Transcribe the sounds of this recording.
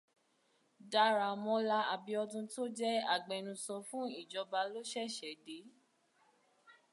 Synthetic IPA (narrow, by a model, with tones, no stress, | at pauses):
da˧˦ɾa˨mɔ̃˨˧˦la˧˦a˨bi˧ɔ˧dũ˧to˦d͡ʒɛ˦a˦˨ɡ͡bɛ˨ñũ˧sɔ˧fũ˦i˦˨d͡ʒɔ˨˧ba˧lo˦ʃɛ˦˨ʃɛ˨˦de˨˦